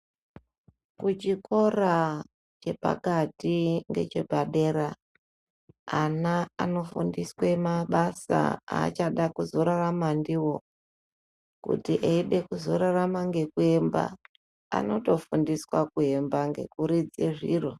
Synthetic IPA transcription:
kut͡ʃikʰo̞ra | t͡ʃe̞pa̰katiŋɡe̞̰t͡ʃe̞bʱaɗe̞ɾa | anaano̞fundiswemaɓasa̰a̰ːt͡ʃaɗakuzo̞ɾaramandiwo̞ | kṵtiʔeiɗe̞kuzo̞ɾaramaŋɡe̞kue̞mba̰ | a̰no̞to̞fundiswakue̞mbaŋɡe̞̰kuɾid͡zeʐḭːro

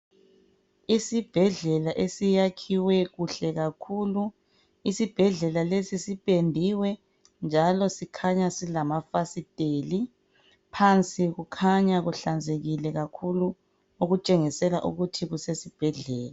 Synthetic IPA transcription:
isib̥ʱɛɮɛlaʔesijakʰiwɛɣuɬɛɣakʰulu | isib̥ʱɛɮɛlalesisipʼendʱiwɛ | nd͡ʒʱalɔsikʰaɲasilamafasitʼeli | pʰant͡sʼiɣukʰaɲaɣuɬand͡zʱeɣilɛɣakʰulu | uɣut͡ʃʼeŋisɛlaʔṵɣutʰiɣusesib̥ʱɛɮɛːla

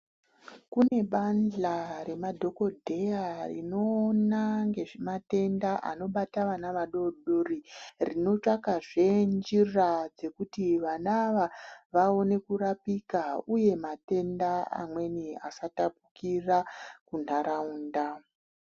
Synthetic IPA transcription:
kune̞ɓanɮaɾe̞madʱo̞ko̞dʱe̞jarḭnoːnaŋɡe̞ʐemate̞ndaʔa̰no̞ɓataʋanaʋaɗo̞ɗoririno̞t͡ʂakaʐe̞nd͡ʒirad͡ze̞kutiʋanaʋaʋao̞ne̞kuɾapikauje̞mate̞ndaa̰mwe̞nia̰satapukirakun̤aɾauːnda

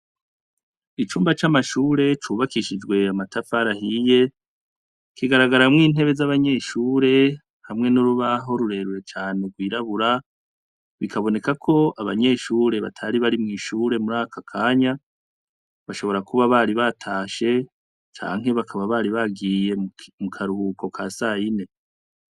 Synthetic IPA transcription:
it͡ʃuːmbat͡ʃamaʃuːɾe̞t͡ʃuβakiʃid͡ʒɡwe̞amatafaɾahije | kiɡaɾaɡaɾamŋiːn̥e̞βe̞zaβaɲe̞ːʃuːɾe̞ | hamŋe̞nuɾuβaɦo̞ɾuɾe̞ɾuɾe̞t͡ʃaːneɡwiːɾaβuɾa | βikʰaβo̞ne̞kakʰo̞aβa̰ɲe̞ːʃuːɾe̞βa̰tʰaɾiβaɾimŋiːʃuːɾe̞muɾaːkakʰaːɲa | βaʃo̞βo̞ɾakʰuβaβaɾiβatʰaːʃe̞ | t͡ʃa̰ːŋ̥ɦe̞βakʰaβaβaɾiβaɡiːje̞mukʰaɾuhuko̞kʰaːsaːjine̞

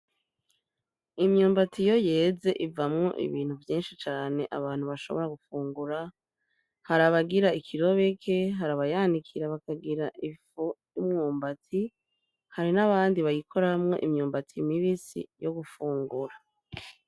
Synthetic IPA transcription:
imɲuːmbatʰijo̞je̞ːze̞ʔivamŋo̞̰ʔḭβiːn̥huvjiːnʃit͡ʃaːne̞ʔaβaːnhuβaʃo̞βo̞ɾaɡufuːŋɡuɾa | haɾaβaɡiɾaikʰiɾo̞βe̞kʰe̞ɦaɾaβajaːndikʰiɾaβakaɡiɾaʔifo | imŋuːmbatʰi | haɾinaβaːndiβajikʰo̞ɾamŋo̞ʔimɲuːmbatʰimiβisḭjo̞ɡufuːŋɡuɾa

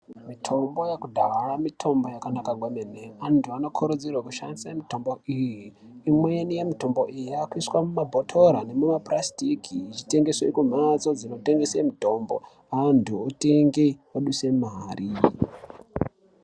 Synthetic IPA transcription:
mitʰo̞mbo̞jakudʱaramitʰo̞mbo̞jakanakaɡweneneantʰuano̞kʰuɾud͡zirwakuʃandisamito̞mbo̞ʔijiː | mwenije̞mito̞mbo̞ʔijiakuiswamumabʱotʰo̞ɾane̞mumaprastikʰiːt͡ʃite̞ŋɡe̞sweikum̤at͡so̞d͡zino̞te̞ŋɡesemito̞mbo̰ | antʰuoteŋɡewoɗuse̞maːri

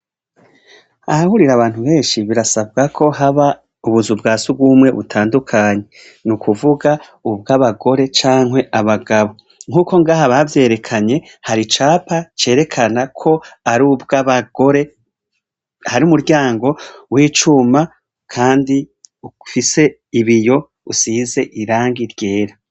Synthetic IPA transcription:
ahahuɾiɾaβaːn̥huβe̞ːnʃiβiɾasab̚ɡakʰo̞ɦaβa | uβuzubɡaːsub̚ɡuːmŋe̞βutʰaːndukʰaːɲe̞ | nukuvuɡa | ubɡaβaɡo̞ɾe̞t͡ʃaːŋɦwe̞ʔaβaɡaβo̞ | ŋhuːko̞ŋɡaːɦaβavje̞ːɾe̞kʰaɲe̞ | haɾit͡ʃaːpat͡ʃe̞ːɾe̞kʰanakʰo̞aɾubɡaβaɡ̥o̞ɾe̞ | haɾiumuɾɟaːŋɡo̞wiːt͡ʃuma | kʰaːndi | ufise̞ | iβijo̞ | usize̞ʔiɾaːŋɡiɾɟe̞ːɾa

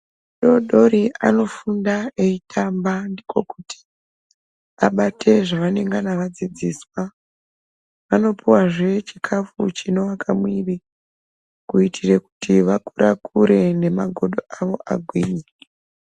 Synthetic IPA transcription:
ɗo̞ɗo̞riʔa̰no̞fundaeitʰambandiko̞kuti̥ | aɓatʰe̞ʐaʋane̞ŋɡanaʋad͡zid͡ziːswa | ʋano̞piwaʐe̞t͡ʃikʰafut͡ʃino̞wakʰamwiri | kuitʰireku̥tʰiʋakuɾʔakʰuɾe̞ne̞maɡʱo̞ɗoʔaʋo̞ʔaɡʱwiːɲe

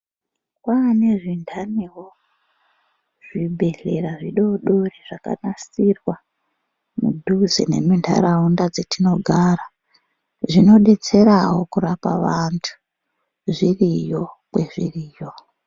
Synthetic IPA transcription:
kwane̞ʐindʱaniwo | ʐ̥ibʱe̞ɮe̞ɾaʐiɗo̞ɗo̞riʐ̥aka̰nasirwa | mṵdʱuzḛne̞̰mindʰʱa̰ɾaundad͡zetʰino̞ɡʱaɾa | ʐino̞ɗe̞t͡se̞ɾaɦo̞kuɾapaʋantʰu̥ | ʐirijo̞kwe̞ʐiriːjo̞

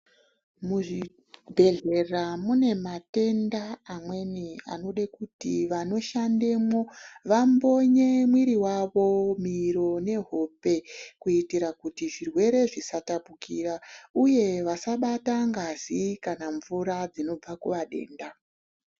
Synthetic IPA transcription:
muʐi | bʱe̞ɮe̞ramune̞mate̞ndaːmwe̞nia̰no̞ɗekutiʋano̞ʃande̞mo̞ʋambo̞ɲe̞mwiɾiwaʋo̞miɾo̞ne̞ɦo̞pe̞kuitiɾakutiʐirwe̞ɾe̞ʐisatapukirauje̞ʋasaɓataŋɡazikanaɱvuɾad͡zino̞b͡vakuʋaɗe̞̰ːnda

